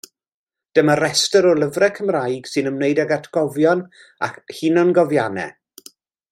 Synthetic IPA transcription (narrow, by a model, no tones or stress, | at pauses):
d̥əməɾɛstəɾɔlˠəvrɛkʰəmrajɡ̥sɨnəmnejdaɡatʰɡ̥ɔvjɔn | a̰khɪnɔnɡɔvjanɛ̰